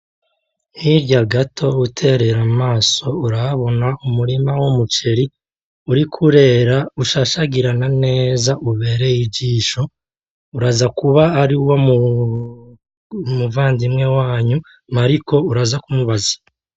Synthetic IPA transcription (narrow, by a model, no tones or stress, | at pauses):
niɾɟaɡatʰo̞utʰe̞ɾe̞ɾamaːso̞uɾaβo̞naumuɾimawomut͡ʃe̞ɾi | uɾikʰuɾe̞ːɾauʃaʃaɡiɾanane̞ːzaʔuβe̞ːɾe̞jiɟiːʃo̞ | uɾazakuβaːɾiwo̞mu | muvaːndimŋe̞waːɲu | maɾiko̞uɾazakumuβazḁ